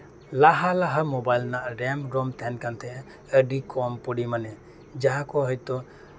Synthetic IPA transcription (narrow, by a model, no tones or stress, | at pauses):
laɦalaɦamɔbajlnaʔɾɛmɾɔmt̪ʰɛnkant̪ʰɛʔ | əɖikʰɔmpɔɽimanɛ | d͡ʒaɦãkɔɦɔjt̪ɔ